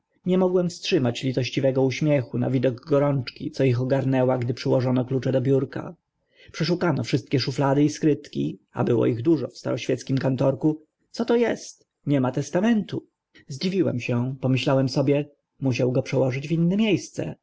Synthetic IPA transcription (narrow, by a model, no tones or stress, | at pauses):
ɲɛmɔɡwɛmfstʂɘmat͡ɕlʲit̪ɔɕt͡ɕivɛɡɔuɕmʲjɛxuna̰vʲid̪ɔɡɡɔɾɔnt͡ʂkʲḭt̪sɔixɔɡaɾnɛwaɡd̪ɘpʂɘwɔʐɔnɔklut͡ʂɛd̪ɔbʲjuɾka̰ | pʂɛʂukanɔfʂɘst̪̚kʲɛʂuflad̪ɘiskɾɘt̪kʲḭa̰bɘwɔ̰iɣd̪uʐɔ̰fst̪a̰ɾɔɕfʲjɛt̪skʲimkant̪ɔɾku | t̪sɔt̪ɔjɛst̪ | ɲɛmat̪ɛst̪amɛnt̪u | zd͡ʑivʲiwɛ̰mɕɛpɔmɘɕlawɛmsɔbʲjɛ | muɕ̬awɡɔpʂɛwɔʐɘd͡ʑvʲinːɛmʲjejst̪sɛ̰